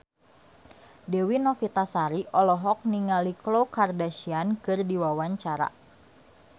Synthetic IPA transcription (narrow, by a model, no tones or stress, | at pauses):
dewinɔfit̪asaɾiʔɔlɔɦɔk̚niŋaliklowkardaʃiankɨrdiwawaɲt͡ʃaɾa̰